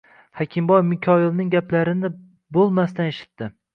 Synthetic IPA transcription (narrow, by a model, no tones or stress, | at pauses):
hakʲʰɪmbɒjmɪkʲʰɒjɪlnɪŋɡʲaplaɾɪnɪ | bolˠmast̪aneʃɪ̥t̪ːɪ